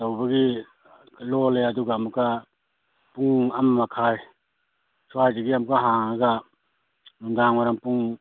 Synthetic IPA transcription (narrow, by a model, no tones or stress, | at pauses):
tawbɐɡi | loleɐduɡaːmukːa | puŋɐmːakʰaj | suajd͡ʒeɡiamukːaɦaŋaɡa | nundaŋwaɾaŋpuŋ